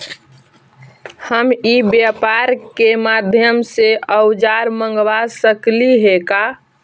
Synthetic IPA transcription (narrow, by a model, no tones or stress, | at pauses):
həmibjapaɾkemad̪ʱjəmseəwd͡ʒaɾməŋɡʋasəkliɦeka